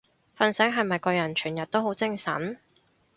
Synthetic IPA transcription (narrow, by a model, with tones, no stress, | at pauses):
fɐ˧nsɛ˨˥ŋɦɐ˨jmɐ˨jkɔː˧jɐ˨˩nt͡ʃʰyː˨˩njɐ˨t̚t̪o˥wɦo˨˥wt͡sɪ˥ŋsɐ̰˨˥n